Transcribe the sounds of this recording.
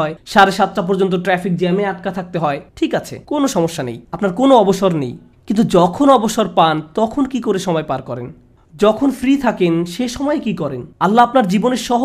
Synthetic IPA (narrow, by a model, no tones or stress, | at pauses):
ɔeʃaɾeʃat̪ːʈap̬ɔɾd͡ʑont̪̬oʈɾɛfik̚d͡ʑɛmeaʈ̚kat̪ʰak̚t̪eɦɔeʈʰikat͡ɕʰḛkonoʃɔmoʃːanḛjapnaɾkonoɔboʃoɾnḛj | kint̪̬ud͡ʑɔkʰonɔboʃoɾpant̪ɔkʰonkikoɾeʃɔmɔepaɾkɔɾen | d͡ʑɔkʰonfɾit̪ʰakenʃeʃɔmɔekikɔɾenalːaapnaɾd͡ʑiboneɾʃɔɦo